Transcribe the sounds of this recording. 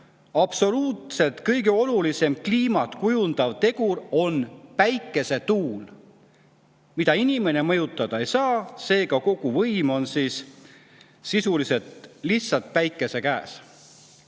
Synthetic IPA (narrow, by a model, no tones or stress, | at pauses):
ɑb̥so̞luːt̪se̞lt̪kɤjɡe̞o̞lulise̞mkliːmɑt̪kujund̪̥ɑvt̪e̞ɡ̥uɾo̞npæjkːˑe̞se̞t̪uːl | mid̪̥ɑinime̞ne̞mɤjut̪ːˑɑd̪̥ɑejsɑːse̞ːɡ̥ɑko̞ɡ̥uvɤjmo̞nsiːs | sisulise̞t̪lihtsɑlt̪̚pæjkːˑe̞se̞kæːs